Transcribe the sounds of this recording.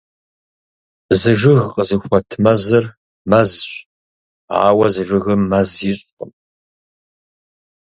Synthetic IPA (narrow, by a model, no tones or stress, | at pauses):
zɨʒɨɣqʼəzɨxʷɔtʰmɐzɨr | mɐzɕ | a̰ːwɐzɨʐɨɣɨmɐziɕʼqʼəm